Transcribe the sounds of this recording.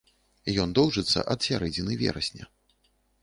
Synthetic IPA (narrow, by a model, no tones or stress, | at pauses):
jɔnd̪ɔwʐɨt̪sːɐ̰ʔɐt̪sʲaɾɛd͡zʲinɨvʲɛ̰ɾɐsʲnʲɐ̰